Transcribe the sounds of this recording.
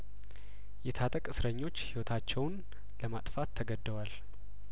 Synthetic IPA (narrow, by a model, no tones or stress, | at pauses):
jɛt̪ʰat̪ʼəkʼɨsɾəɲːo̞t͡ʃːhiwɔt̪ʰat͡ʃːɛwn | ləmat̪ʼfat̪ʰːəɡəd̪ːəwal